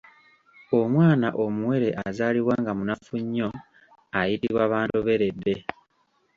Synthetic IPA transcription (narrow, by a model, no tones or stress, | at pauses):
omwaːnaʔo̞muwe̞ɾe̞ʔazaːliβwaːŋɡamunafuɲːo̞ | ajitiβwaːβaːntoβe̞ɾe̞dːe̞